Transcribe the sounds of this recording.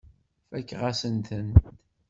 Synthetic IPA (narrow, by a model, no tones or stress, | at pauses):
fækːʁasənt̪ənt̪